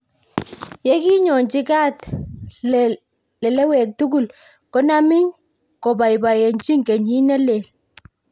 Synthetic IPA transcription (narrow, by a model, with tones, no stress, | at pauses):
jɛ˦ki˦ɲɔ˨nt͡ʃi˦ka˦t | lɛ˨lɛ˦wɛ˨k̚tu˦k̬u˦˨l | kɔ˦na˦mɪ˦ŋ | kɔ˨ba˨jba˨je˨nt͡ʃi˦ŋkɛ˨ɲi˦nɛ˦le˨l